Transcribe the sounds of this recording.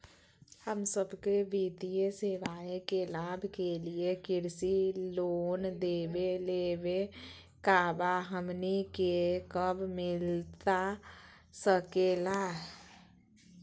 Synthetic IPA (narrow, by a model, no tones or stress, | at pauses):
həmsəbkeʋid̪ijeseʋaːekelaːbʱkeliekɪɾsiloːnd̪eːbeleːbe | kaːbaɦəmnikekəbmɪlt̪a | səkelaː